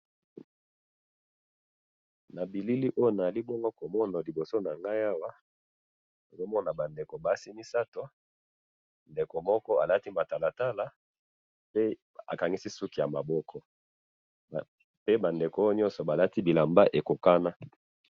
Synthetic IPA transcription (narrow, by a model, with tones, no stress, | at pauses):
na˨bi˨li˦li˦ʔo˦jo˦na˨li˦bɔ˦ŋɡo˦ko˨mɔ˦na˨li˨bo˨so˦na˨ŋɡa˦ja˦wa˦ | o˨zo˦mɔ˦na˨ba˨nde˨ko˨ba˨˦si˦mi˦sa˦to˨ | nde˨ko˨mɔ˦kɔ˦a˨la˦ti˦ma˨ta˨la˨ta˦la˨ | pe˦ | a̰˨ka˨ŋi˦si˦su˦ki˨ja˨ma˨bɔ˦kʰɔ˦˨ | pe˦ba˨nde˨ko˨o˦jo˦ɲɔ˦nsɔ˨ba˨la˦ti˦bi˨la˨mba˦ʔe˨ko˨ka˦na˦